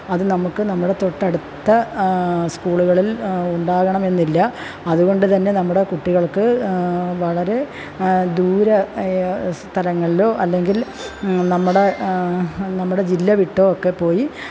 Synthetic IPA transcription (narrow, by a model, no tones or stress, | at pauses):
ɐðɨnɐmukːɨnɐmːuɽe̞t̪o̞ʈːɐɽut̪ːɐ | skuːɭuɣɐɭiluɳɖaːɣɐɳɐme̞nːilːɐ | ɐðuɣo̞ɳɖɨt̪ɐnːe̞nɐmːuɽe̞kuʈːiɣɐɭkɨ | ʋɐɭɐɾe̞ | d̪uːɾɐ | st̪ʰɐlɐŋːɐɭilo̞ːʔɐlːe̞ŋɡil | nɐmːuɽe̞ | nɐmːuɽe̞d͡ʑilːɐʋiʈːookːe̞pːo̞ːji